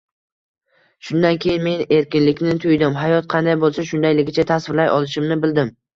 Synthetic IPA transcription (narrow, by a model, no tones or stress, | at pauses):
ʃʊnd̪ankʲʰe̞jɪnmeɪne̞ɾkʲɪnlɪkʲnɪt̪ʰʊjd̪ɪmɦajɒt̪̚qʰɑnd̪ajbolˠsaʃʊnd̪ajlɪɡʲɪt͡ʃʰat̪ʰasvɪɾlajʔɒlˠɪʃɪmnɪbɪld̪ɪm